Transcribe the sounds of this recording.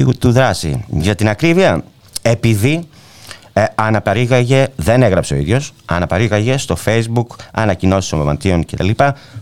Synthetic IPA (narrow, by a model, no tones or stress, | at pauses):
ut̪uðɾɐsḭʝɐt̪inɐkɾiviɐ | e̞piði | ɐnɐpɐɾiɣɐʝe̞ðe̞ne̞ɣɾɐpse̞o̞ḭðʝo̞sɐnɐpɐɾiɣɐʝe̞st̪o̞fe̞jzbukɐnɐcino̞si̥somomɐ̰nt̪io̞ŋce̞t̪ɐ̰lipɐ